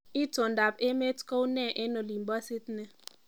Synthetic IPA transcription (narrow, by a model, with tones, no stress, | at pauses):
i˦to˨nda˨pe˦me˦tko˦u˦nɛ˦˨ʔe˦no˨li˨mbɔ˦si˦tne˨